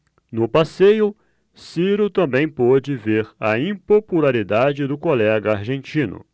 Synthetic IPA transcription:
nʊpasejʊ | siɾʊt̪ɐ̃mbẽj̃pɔd͡ʒɪveɾɐĩpopulaɾid̪ad͡ʒɪd̪ʊkolɛɡɐaɾʒẽnt͡ʃĩnʊ̰

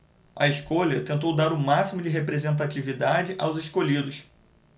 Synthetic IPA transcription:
ɐ̰eʃkoʎɐt̪ẽnt̪̬owd̪aɾʊmasimʊd͡ʒɪɦepɾezẽnt̪at͡ʃivid̪ad͡ʒɪʔawzeʃkoʎid̪ʊs

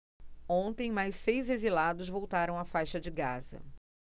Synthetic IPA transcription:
õt̪ẽj̃majsːejzezilad̪ʊzvowt̪aɾɐ̃w̃afajʃɐd͡ʒɪɡazɐ̰

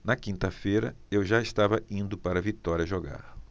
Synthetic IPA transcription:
nɐkĩnt̪ɐfejɾɐ̰ewʒaɪst̪avɐĩnd̪ʊpaɾɐvit̪ɔɾiɐʒoɡa̰ɾ

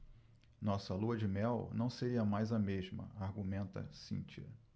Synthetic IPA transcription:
nɔsɐluɐd͡ʒɪmɛwnɐ̃w̃seɾiɐmajzɐmeʒmɐ̰aɾɡumẽnt̪ɐ̰sḭ̃t͡ʃiɐ̰

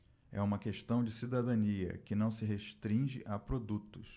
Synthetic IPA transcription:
ɛ̰ũmɐkeʃt̪ɐ̃w̃d͡ʒɪsid̪ad̪ɐ̃niɐ̰kɪnɐ̃w̃sɪɦeʃt̪ɾĩʒɪʔapɾod̪ut̪ʊs

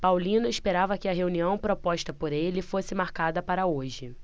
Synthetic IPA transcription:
pawlĩnʊiʃpeɾavɐkɪɐɦeuniɐ̃w̃pɾopɔʃt̪ɐpoɾelɪfosɪmaɾkad̪ɐpaɾɐoʒɪ

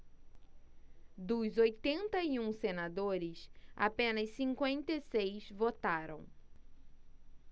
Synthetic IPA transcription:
d̪ʊzojt̪ẽnt̪ɐiũsenad̪oɾɪsa̰pẽnɐsːĩŋkwẽnt̪esejzvot̪aɾɐ̰̃w̃

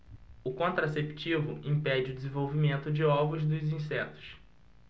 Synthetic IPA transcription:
ʊkõnt̪ɾasept͡ʃivʊʔĩpɛd͡ʒɪʊd͡ʒɪzẽvowvimẽnt̪ʊd͡ʒɪɔvʊzd̪ʊzĩsɛt̪ʊ̥s

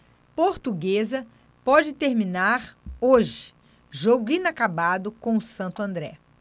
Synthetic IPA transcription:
poɾt̪uɡezɐ | pɔd͡ʒɪt̪eɾminaɾoʒɪ̥ | ʒoɡʊĩnakabad̪ʊkõʊsɐ̃nt̪ʊɐ̃nd̪ɾɛ̰

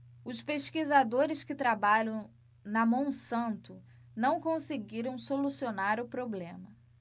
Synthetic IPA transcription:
ʊspeʃkizad̪oɾɪskɪt̪ɾabaʎɐ̃w̃ | nɐmɐ̃w̃sɐ̃nt̪ʊ | nɐ̃w̃kõsɪɡiɾɐ̃w̃solusionaɾʊpɾoblẽmɐ

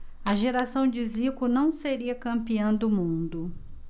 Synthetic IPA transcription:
ɐʒeɾasɐ̃w̃d͡ʒɪzlikʊnɐ̃w̃seɾiɐkɐ̃mpiɐ̃w̃d̪ʊmũd̪ʊ

